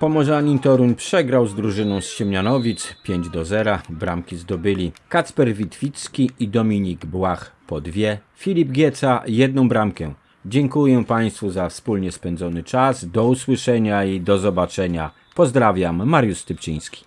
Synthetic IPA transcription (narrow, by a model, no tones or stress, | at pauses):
pɔmɔʐaɲit̪ɔɾunpʂɛɡɾawzd̪ɾuʐɘnɔ̃w̃sɕɛmɲanɔvʲit̪spʲjeɲd͡ʑd̪ɔzɛɾabɾamkʲizd̪ɔbɘlʲikat̪spɛɾvʲit̪fʲit̪skʲiid̪ɔmʲiɲiɡbwaxpɔd̪vʲjɛ | fʲilʲib̚ɡʲjɛt̪sajɛd̪̚nɔ̃w̃bɾamkɛ | d͡ʑɛŋkujɛpaj̃st̪fuzafspulɲɛspɛnd̪zɔnɘt͡ʂazd̪ɔuswɘʂɛɲaid̪ɔzɔbat͡ʂɛɲa | pɔzd̪ɾavʲamːaɾjust̪ɘpt͡ɕḭ̃j̃skʲi̥